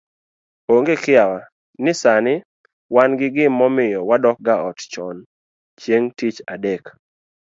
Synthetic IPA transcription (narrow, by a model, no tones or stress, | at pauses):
oŋɡekɪawa | nɪsanɪ | wanɡɪɡɪmːɔmɪjɔwadɔk̚ɡaɔtt͡ʃɔn | t͡ʃjeŋtit͡ʃa̰dɛk